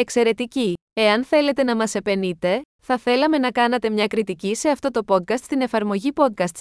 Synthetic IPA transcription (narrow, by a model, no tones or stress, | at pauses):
e̞kse̞ɾe̞t̪icie̞ɐnθe̞le̞t̪e̞nɐmɐse̞pe̞nit̪e̞ | θɐθe̞lɐme̞nɐkɐnɐt̪e̞mɲɐkɾit̪icise̞ɐft̪o̞t̪o̞po̞t̪̚kɐst̪st̪ine̞fɐɾmo̞ʝipo̞t̪̚kɐst̪s